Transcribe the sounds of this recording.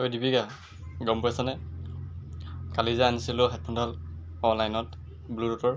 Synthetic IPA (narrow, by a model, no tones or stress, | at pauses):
ojdibiɡa | ɡɔmpɔasanɛ | kalizaanisilʊɦat̚pʰɔndʱal | ɔnlajnɔt | bludutɔɹ